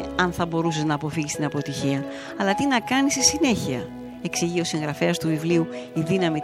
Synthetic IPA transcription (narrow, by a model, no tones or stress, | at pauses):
ɐnθɐbo̞ɾuse̞znɐːpo̞fiʝist̪inɐpo̞t̪içiɐ | ɐlɐt̪inɐkɐnist̪isine̞çiɐ̰ | e̞ksiʝio̞siŋɣɾɐfe̞ɐst̪uvivliuiðinɐmi